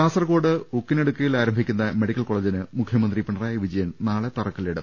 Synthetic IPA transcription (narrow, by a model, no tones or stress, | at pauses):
aːsɐrko̞ːɽɨukːineɽukːɐjilaːɾɐmbʱikʲːunːɐme̞ɽikʲːɐlko̞ːɭeːd͡ʑinɨmukʰːjɐmɐnd̪ripiɳɐraːjɐʋid͡ʑɐjɐnnaːɭet̪ɐrɐkːɐleɽɨm